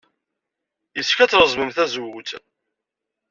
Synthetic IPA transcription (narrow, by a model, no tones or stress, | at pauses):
jəskæt͡sːɾəzˤməmθæzwt͡s̪